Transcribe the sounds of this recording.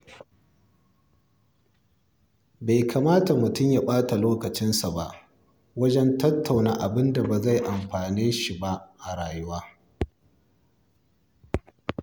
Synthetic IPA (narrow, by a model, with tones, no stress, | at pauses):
ba˨jkʰa˨maː˦ta˨mʊ˨tʊ˦mja˦ɓaː˦ta˨loː˦kɐ˨t͡ʃɪ˦nsa˨ba˦ʔ | wɐ˦d͡ʒɛ˦ntɐ˦tʰːa˨wnaː˦ʔa˨bɪ˦nda˨ba˨za˦˨jʔa˨mɸaː˨neː˦ʃi˨ba˦ʔʔa˨ɽaː˨jʊ˦waː˦